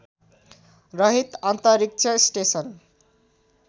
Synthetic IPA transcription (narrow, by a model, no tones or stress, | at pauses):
rʌɦit̪ant̪ʌɾik̚t͡sʰʌsʈesʌn